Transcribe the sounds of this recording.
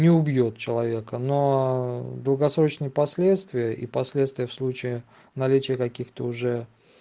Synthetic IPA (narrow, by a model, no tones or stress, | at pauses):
nʲɪʊbjot̪̚t͡ɕɪlˠɐvʲe̞kəno | d̪əlˠɡɐsɾo̞t͡ɕnəjəpɐsʲlʲet̪st̪vʲɪjəʔḭpɐsʲlʲet̪st̪vʲɪjəfslˠut͡ɕɪɪ | nɐlʲit͡ɕɪjəkɐkʲixt̪əʊʐɛ